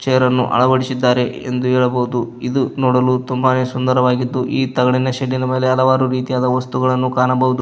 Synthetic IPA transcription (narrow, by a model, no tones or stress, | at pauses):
t͡ʃɛjɐɾɐnːuʔɐ̰ɭɐʋɐɽisid̪ːaːɾe̞ḛnd̪uɦɛːɭɐbɐud̪uid̪unoːɽɐlut̪umbane̞ːsund̪ɐɾɐʋaːɡid̪ːuʔiːt̪ɐɡɐɽinɐʃeɖːinɐme̞ːle̞ɐlɐʋaːɾuɾiːt̪ijaːd̪ɐʋɐst̪uɡɐɭɐnːukaːnɐbɐɦud̪u